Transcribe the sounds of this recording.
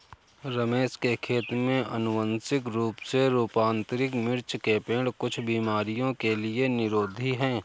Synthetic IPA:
ɾəmeːʃkekʰeːt̪mẽʔɐnʊʋə̃nsɪkɾuːpseɾuːpãːnt̪ɾɪkmɪɾt͡ʃkepẽːɽkʊt͡ʃʰbiːmaːɾijõkelienɪɾoːd̪ʱiɦɛ̃ː

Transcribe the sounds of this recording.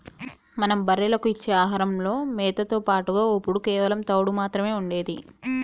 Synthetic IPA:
mɐnɐmbɐɾːelɐkuit͡ʃːeːaːɦaːɾɐmlo̞ːmɛːt̪ɐt̪oːpaːʈuɡaːopːuɽukɛːʋɐlɐmt̪ɐwɽumaːt̪ɾɐme̞ːuɳɖe̞ːd̪ḭ

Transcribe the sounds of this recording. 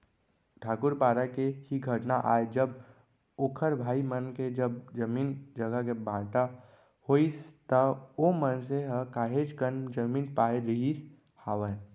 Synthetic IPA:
ʈʰaːkʊɾpaːɾakehiɡʱəʈnaʔaːed͡ʒəb | ʊkʰəɾbʱaːimənked͡ʒəbd͡ʒɐmiːnd͡ʒəɡəkebãːʈa | hoːist̪əomənseɦəkaːɦeːd͡ʒkənd͡ʒəmiːnpaːeɾəɦis | haːʋə

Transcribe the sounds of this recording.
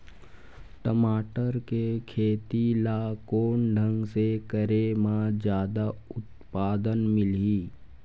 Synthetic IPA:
ʈəmaːʈəɾkekʰeːt̪ilaːkoːɳɖʱə̃ŋɡsekəɾemãd͡ʒjaːd̪aʊt̪paːd̪ənmɪliː

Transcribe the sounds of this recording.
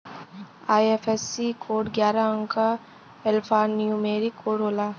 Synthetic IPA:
aːjefesikʰoːɖɡjaːɾaə̃ŋka | ɛlpʰaːnjũmeːɾikoːɽɦoːlaː

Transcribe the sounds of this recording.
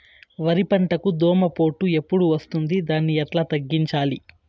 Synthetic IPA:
ʋɐɾipɐɳʈɐkud̪ɔːmɐpo̞ːʈːue̞pːuɽuʋɐst̪und̪id̪aːnːiɛʈlaːt̪ɐɡːiɲt͡ʃaːli

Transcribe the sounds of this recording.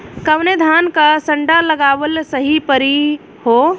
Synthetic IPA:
kəwned̪ʱaːnkasə̃ɳɖaləɡaːwəlsəɦipəɾi | ho

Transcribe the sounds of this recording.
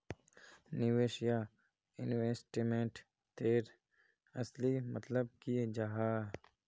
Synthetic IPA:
nɪʋeːʃija | ɪnʋesʈimẽɳʈ | t̪eːɾ | ɐslimət̪ləb̚kid͡ʒaɦaː

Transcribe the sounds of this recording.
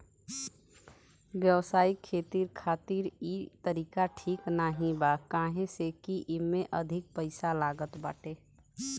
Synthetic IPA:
wjəwsaːikʰeːt̪iɾkʰaːt̪iɾit̪əɾiːkaʈʰiːknaɦĩbakãːɦẽsekiʔimẽʔəd̪ʱɪk̚pəɪsalaːɡət̪baːʈe

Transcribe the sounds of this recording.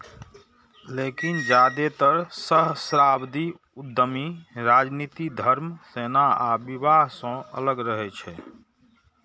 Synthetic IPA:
leːkind͡ʒaːd̪et̪əɾsəɦsɾaːbd̪i | ud̪ʱːəmiɾad͡ʒniːt̪id̪ʱəɾmseːnaabibaɦsə̃ə̰ləɡɾəɦɛt͡ʃʰɛː

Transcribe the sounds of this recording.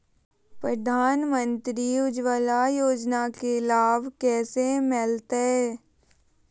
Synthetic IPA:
pɾəd̪ʱaːnmə̃nt̪ɾiʊd͡ʒʋalajoːd͡ʒnakelaːbkɛːsemɪlt̪ɦɛː

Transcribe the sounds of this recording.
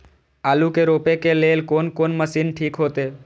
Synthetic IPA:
aːlukeɾoːpekeleːlkoːnkoːnməsiːnʈʰiːkɦoːt̪eː

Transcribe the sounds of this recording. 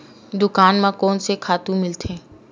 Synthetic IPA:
d̪ʊkaːnmãkɔːnsekʰaːt̪ũmɪlt̪ʰẽː

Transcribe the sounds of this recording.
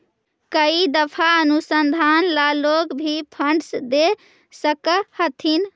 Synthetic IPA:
kəid̪əpʰaənusənd̪ʱanlalokbʱipʰəɳɖsd̪e | səkəhət̪ʰin

